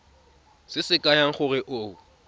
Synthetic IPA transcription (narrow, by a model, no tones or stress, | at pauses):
sɪsɪkʼajaŋ̩χʊrɪʔoː